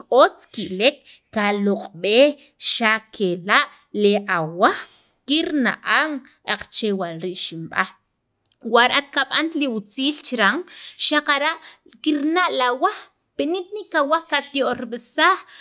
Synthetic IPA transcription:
kʼot͡skiʔlekː | aloqʼɓe | ʃakʰelaʔ | leʔawaχ | kiɾna̰ʔaŋ | ʔaq͡χt͡ʃewalɾiʔʃimɓa̰ | waɾat̪kaɓant̪liut͡siːlt͡ʃiɾaŋʃaqaɾaʔ | kiɾnaʔlawaχ | penit̪niʔkawaχkat̪joʔɾiɓisaχ

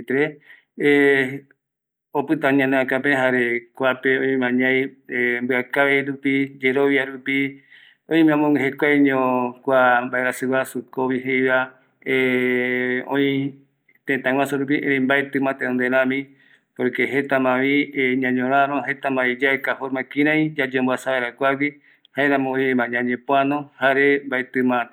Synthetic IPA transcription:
t̪ɾe | opɨt̪ãɲãneãkapeɦaɾekʷapeõĩmãɲãjmbɨakaeɾupid͡ʒeɾoβjaɾupi | õĩmãmõŋeɦekʷaɲõkʷambaeɾasɨwasukoβiɦejβa | e | õ̰ĩ | t̪ẽt̪ãwʷãsuɾup̬iʔẽɾẽmbaet̪ɨ̃mãt̪ẽõnd̪eɾãmĩ | poɾkeɦet̪amãβiɲãɲõɾ̃ãɾõɦet̪amãid͡ʒaekafoɾmãkĩɾãĩd͡ʒad͡ʒombwasaβaeɾakʷaɡi | haeɾãmõõjmaɲãɲẽpoanõhaɾembaet̪ɨmã

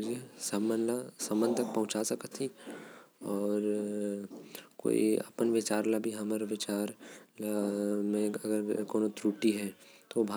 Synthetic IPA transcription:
d͡ʒesɐmənlasɐmənd̪t̪ɐk̚pɐ̃ɦʊ̃t͡ʃasɐkət̪ʰi | ɔːɾ | ko̰ːḭɐ̰pənʋɪt͡ʃaːɾlabʱiɦɐmaɾʋɪt͡ʃaːɾlamẽɐɡəɾkoːnot̪ɾuːʈiɦɛt̪obʱa

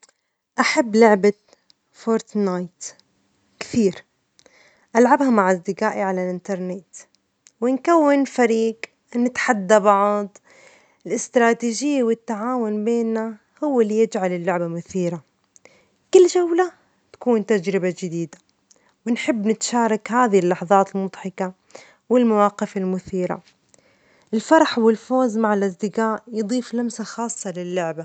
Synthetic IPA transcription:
ʔaħabːlʊʕba | foːɾt̪najt̪ | kθiːɾ | ʔalʕabhamaʕazd̪ɪqaːʔiʕalalʔɪnt̪ɑɾˤnɪt̪ | wɪnkawːɪnfaɾiːɡ | nːɪt̪ħad̪ːabɑʕd̪ˤ | ɪlɪst̪ɾˤɑːt̪iːʒɪjːawɪt̪ːaʕaːwʊnbeːnːa | hʊwːɪlːijɪd͡ʒʕalɪlːʊʕbamʊθiːɾa | kɪlːd͡ʒawla | t̪ḁkuːnt̪ad͡ʒɾɪbad͡ʒɪd̪iːd̪ḁ | wɪnħɪbːnɪt̪ʃaːɾˤɑkhaːðhlːɑħɑðˤɑːt̪ɪlmʊd̪ˤħɑka | wɪlmawɑːqɪfɪlmʊθiːɾa̰ | ʔɪlfɑɾˤɑħwɪlfoːzmaʕɪlʔasd̪ɪqaːʔjɨd̪ˤiːflamsaxɑːsˤːɑlɪlːʊʕba

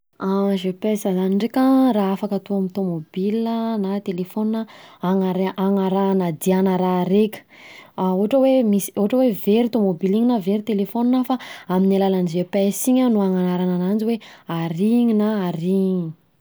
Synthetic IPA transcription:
aʒepesazaniɳɖ͡ʐekʲaraːafakat̪uamit̪omobilənat̪elefoninəaŋaɾaŋaɾanad̪ianəɾaɾekʲə̥ | auɦʈ͡ʂəwemisi̥oɦʈ͡ʂəweveɾit̪omobiliɲinaveɾit̪elefoninafaaminalalanizepesiɲanuaŋanaɾananand͡ziweaɾiɲinaaɾiɲi

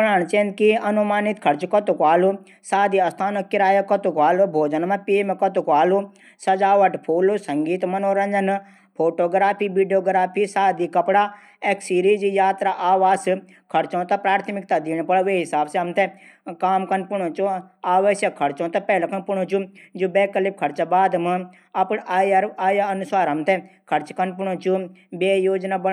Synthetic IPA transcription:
pɽaːɳt͡ʃẽːnd̪kiɐnumaːnit̪kʰɐɾt͡ʃkɐt̪ukʋaːlu | saːd̪iɐst̪ʰaːnokːɪɾaːjɐkɐt̪ukʋaːlubʱoːd͡ʒənmãpimekɐt̪ukʋaːlu | sɐd͡ʒaːʋɐʈpʰuːlusɐŋɡiːt̪mɐnoːɾɐnd͡ʒɐn | pʰoːʈoːɡɾaːpʰiːʋiɖijoːɡɾaːpʰisaːd̪ikɐpɽa | eksiːɾiːd͡ʒijaːt̪ɾaʔaːʋaːs | kʰɐɾt͡ʃõːt̪ɐpɾaːɾt̪ʰmɪk̚t̪ad̪iːɽ̃pɐɽʋeːɦɪsaːbseɦɐmt̪e | kaːmkɐnpʊɽ̃õt͡ʃuaːʋəʃjɐkʰːɐɾt͡ʃõːt̪ɐpɛːlɐkɐnpʊɽ̃õt͡ʃud͡ʒubɛːkəlɪb̚kʰɐɾt͡ʃabaːd̪mã | ɐpɳaːjaɾaːjaɐnʊsaːɾɦɐmt̪ekʰɐɾt͡ʃkɐnp̬ʊɳõt͡ʃu | beːjoːd͡ʒnaːbɐ

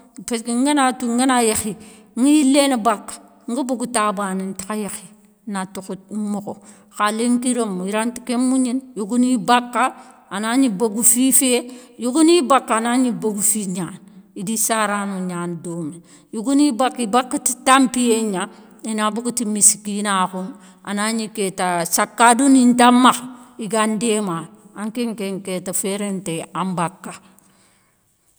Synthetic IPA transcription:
peskiŋɡenatuŋɡenajexi | ŋɡijilenabakːḁ | ŋɡabuɡutabanintḁkajexi | natukut̚moko | xaleŋkiɾomiɾanti̥kemuɲinjoɡunibakːa | anaɲibaɡufifejuɡunibakːaanaɲibaɡufiɲaːnidisaɾanuɲaːndoːme | juɡunibakːibakːati̥tampijeɲa | inabukutimisi̥kinaːkun | ʔa̰naɲiketasakːadunintamːaxiɡandema | aŋkeŋkeŋketafeɾenteambakːa

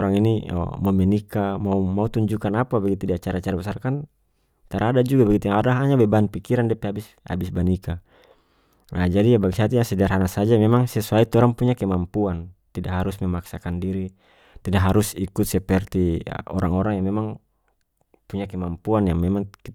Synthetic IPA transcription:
ɔɾaŋinḭmɔmɛnikamaumaut̪uɲd͡ʒukanapabɛɡit̪udiat͡ʃaɾat͡ʃaɾabasarkan | t̪aɾadad͡ʒuɡabaɡit̪ujaŋadaɦaɲabɛbaanpikiɾandiɛpɛabis | a̰bisbanika | nad͡ʒadijabaɡisiat̪ujaŋsɛdaɾanasad͡ʒamɛmaŋsɛsuait̪ɔɾaŋpuɲakɛmampuant̪idaʔɦaɾusmɛmaksakandiɾi | t̪idaʔɦaɾusikut̪̚sɛpɛrt̪ḭɔ̰ɾaŋɔɾaŋjaŋmɛmaŋ | puɲakɛmampuanjaŋmɛmaŋki

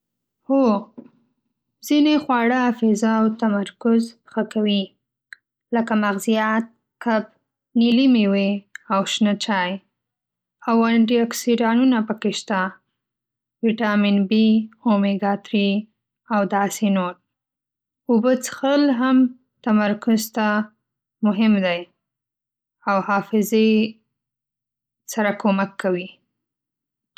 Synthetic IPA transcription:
ho | z̥inexwɑɽəafezaːwt̪amaɾkʊzəxakawi | ləkamaɣzijɑt̪̚ | kap̚ | nilimeweawʃnət͡ʃɑj | awaɳɖiaksiɖɑnunapəkeʃt̪a | wiʈɑminbiomeɡɑt̪ɾi | awd̪ɑsenoɾ | ʊbət͡sə̥xəlɦam | t̪amaɾkʊzt̪a | mʊɦɪmd̪aj | awhɑfɪze | saɾakomakːawi

